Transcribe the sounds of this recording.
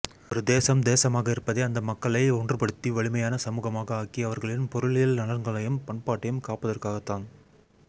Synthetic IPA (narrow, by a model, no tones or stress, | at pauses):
ɔɾɯd̪eːsɐmd̪eːsɐmaːɣɐɪɾɯpːɐðɐɪɐnd̪ɐmɐkːɐɭɐɪɔɳdrɯpɐɽɯt̪ːiʋɐɭɪmɐjaːnɐsɐmuːɣɐmaːɣɐaːkiɐʋɐɾɣɐɭɪnpɔɾɯɭɪjɐlnɐɭɐɾŋɡɐɭɐjɯmpɐɳpaːʈːɐjɯmkaːpɐðɐrkaːɣɐt̪ːaːn